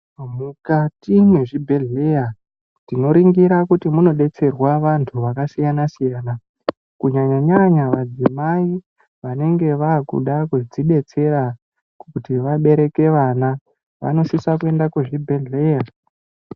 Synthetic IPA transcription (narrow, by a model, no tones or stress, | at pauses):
mukatimweʐibʱe̞ɮe̞ja | tino̞ɾiŋɡiɾakutimuno̞ɗe̞t͡se̞rwaʋantʰuʋakasijanasijaːna | kuɲaɲaɲaɲaʋad͡zimai | ʋane̞ŋɡe̞ʋaːkṵɗakud͡ziɗe̞t͡se̞ɾa | kkutiʋaɓe̞ɾe̞ke̞ʋana | ʋa̰no̞sisakue̞ndakuʐibʱe̞ɮe̞ːja